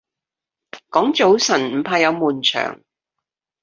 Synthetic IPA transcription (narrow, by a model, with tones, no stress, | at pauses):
kɔː˨˥ŋt͡so˨˥wsɐ˨˩nm̩˨˩pʰaː˧jɐ˨˧wmuː˨˩nt͡ʃʰœ̰ː˨˩ŋ